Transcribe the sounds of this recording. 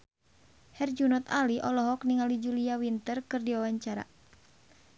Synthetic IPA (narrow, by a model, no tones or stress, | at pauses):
hɛrd͡ʒunɔt̪aliʔɔlɔɦɔk̚niŋalid͡ʒuliawint̪ərkɨrdiwawaɲt͡ʃaɾa̰